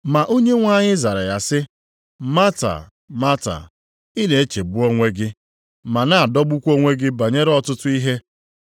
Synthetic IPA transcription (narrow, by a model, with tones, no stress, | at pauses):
ma˨ʔo˦ɲe˦ŋʷa˦ɲɪ˦za˨ɾa˨ja˨sɪ˦ | ma˦ta̰˨ | ma˦ta̰˨ | ɪ˦ne˨e˦t͡ʃe˨bu˦o˦ŋʷe˦ɡɪ˦ | ma˨na˦a˨dɔ˦ɡ͡bu˦kʷo˦ŋʷe˦ɡɪ˦ba˨ɲe˦ɾɔ˦tʊ˦tʊ˦i˦ɦe˦